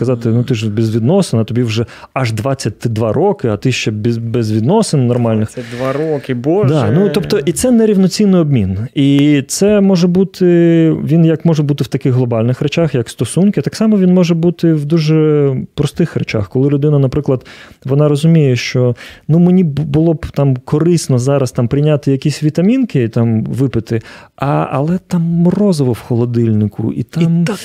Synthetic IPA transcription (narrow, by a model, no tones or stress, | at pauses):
kɐzɑt̪ɪnut̪ɪʒbɛzʲʋʲid̪nɔsenɐt̪ɔbʲiwʒɛɐʒd̪ʋɑt͡sʲːɐt̚ʲt̪ɪd̪ʋɑɾʔɔkɪɐt̪ɪʃt͡ʃɛbʲbɛzʋʲid̪nɔsɪnnːɔrmɑlʲnɪxd̪ʋaɾokɪbɔd̪ɑnut̪ɔpt̪ɔʔit̪sɛnɛɾʲiwnɔt͡sʲinːɪjɔbmʲinit̪sɛmɔʒɛbut̪ʰɪʋʲinjɐkmɔʒɛbut̪ɪwt̪ɐkɪxɦlˠɔbɑlʲnɪxret͡ʃaxjɐkst̪ɔsunkʲɪɐt̪ɑksɑmɔʋʲinmɔʒɛbut̪ɪwd̪uʒɛpɾɔst̪ɪxɾɛt͡ʃa̰xkɔlˠɪlʲʊd̪ɪnɐnɐpɾɪklˠɐd̪ | ʋɔnɑɾɔzʊmʲijɛʃt͡ʃɔnumɪnʲibʊlˠɔbt̪ɑmkɔɾɪsnɔzɑɾɐst̪ɑmpɾɪjnʲat̪ɪjɐkʲisʲʋʲit̪ɐmʲinkɪit̪amʋɪpɪt̪ɪɐɐ̰lˠɛt̪ɑmːrɔzɔʋɔwxɔlˠɔd̪ɪlʲnɪkʊ̰ʔḭt̪ɑm